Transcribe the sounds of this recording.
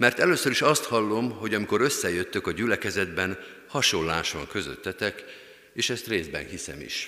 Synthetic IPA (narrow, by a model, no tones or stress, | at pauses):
mɛrt̪ɛløːsøɾiʃɒst̪hɒlːo̞mho̞ɟɒmiko̞ɾø̞sːɛjø̞t̪ːøkɒɟylɛkɛzɛd̪bɛn | hɒʃolːaːʃɒŋkø̞zø̰t̪ːɛt̪ɛk | eːʃɛst̪reːzd̪bɛ̰nhisɛ̰mḭʃ